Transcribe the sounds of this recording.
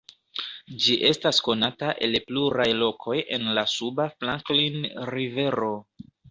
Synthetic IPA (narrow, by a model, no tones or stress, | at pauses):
d͡ʒiʔe̞stasko̞nataʔe̞̰lpluɾajlo̞kʰo̞jʔe̞nlasubaflaŋklinɾive̞ɾo̞